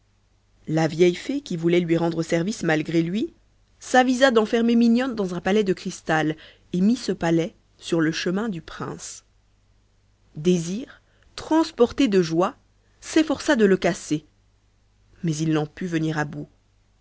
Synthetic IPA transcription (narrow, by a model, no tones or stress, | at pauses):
lavjɛjfekʲivulɛlɥiʁɑ̃d̪ʁəsɛʁvismalɡʁelɥi | savizad̪ɑ̃fɛʁmemiɲɔnd̪ɑ̃zɛ̃palɛd̪əkχist̪al | emisəpalɛ | syʁləʃəmɛ̃d̪ypχɛ̰̃s | d̪eziʁ | t̪χɑ̃spɔʁt̪ed̪əʒwa | sefɔʁsad̪ələkase | mɛzilnɑ̃pyvəniʁabu